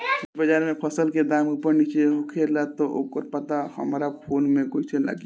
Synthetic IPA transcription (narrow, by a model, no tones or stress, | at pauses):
kubəd͡ʒaɾmepʰəsəlked̪amupəɾnit͡ʃeɦokʰeɾlat̪ɔʔo̰kəɾpət̪ahə̰mɾapʰonmekot͡ʃʰela̰ɡi